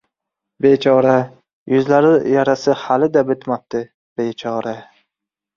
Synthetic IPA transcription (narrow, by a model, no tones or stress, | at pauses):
bet͡ʃʰɒːɾa | jʊzlaɾɪjaɾasɪhalɪd̪abɪt̪map̚t̪ʰɪ | b̥ejt͡ʃʰɒːɾa